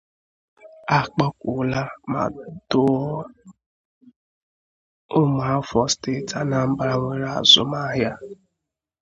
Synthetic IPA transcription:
a˨k͡pa˦kʷu˨la˦ma̰˨dʊ˦ɔ˦ | ʊ˦mʊ˨a˦fɔ˨ste˦˨ta˨na˨m̩˦ba˦ɾa˦ŋʷe˨ɾa̰˨zʊ̰˨ma˦ɦja˦

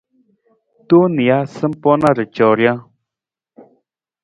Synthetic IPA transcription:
t̪u˦ni˨a˦sə˦m˦pɔ˦na˦ɾə˨t͡ʃɔ˨ɾja˦

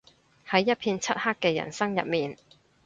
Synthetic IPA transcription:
hɐ˨˥jːɐ˥t̚pʰiː˧nt͡sʰɐ˥t̚haː˥kːɛː˧jɐ̰˨˩nsɐ˥ŋjɐ̰˨t̚miː˨n

